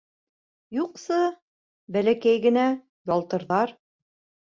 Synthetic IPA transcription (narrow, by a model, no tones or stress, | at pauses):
juqsɤ | bælækæjɡɘ̆næ | jɒlˠt̪ɤ̆ɾðɑɾ